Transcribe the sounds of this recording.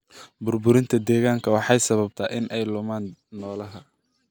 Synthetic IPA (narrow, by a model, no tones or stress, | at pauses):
bʊrbʊɾɪnt̪ʰɐd̪ɛːɣaːŋkʰɐwɑħɑjsɐβɐb̚t̪ʰaːʔɪnʔɛjlʊmaːnːɔːlɐɦɐ